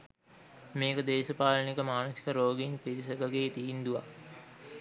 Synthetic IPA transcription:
meːkəd̪eːsəpaːlɐnikəmaːnosi̥kəɾoːɡinpiʋis̬ɐɡaɡeːt̪iːnd̪uʋa̰

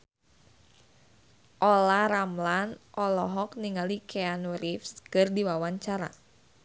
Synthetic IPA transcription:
ʔɔlaɾamlanʔɔlɔɦɔk̚niŋalikʰɛanuɾifskɨrdiwawaɲt͡ʃaɾa̰

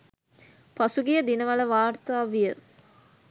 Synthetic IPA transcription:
pasuɡijəd̪inəʋɐləʋaːrt̪aːʋijə

